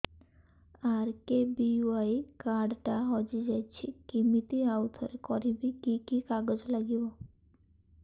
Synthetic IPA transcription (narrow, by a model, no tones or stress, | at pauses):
aɾkebiuajkaɾɖʈaɦɔd͡ʒid͡ʒajt͡ʃʰikimit̪iawt̪ʰɔɾekɔɾibikikikaɡɔd͡ʑlaɡibɔ